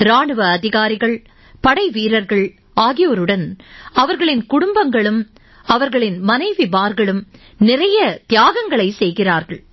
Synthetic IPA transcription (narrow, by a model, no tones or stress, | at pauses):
ɾaːɳɯʋɐːðɪɣaːɾɪɣɐɭ | pɐɽɐɪʋiːɾɐɾɣɐɭ | aːɣɪjoɾɯɽɐnɐʋɐɾɣɐɭɪnkʊɽʊmbɐŋɡɐɭɯm | ɐʋɐɾɣɐɭɪnmɐnɐɪʋibaːɾɣɐɭɯm | nɪrɐjɐt̪ɪjaːɣɐŋɡɐɭɐɪsɛjɣɪraːɾɣɐɭ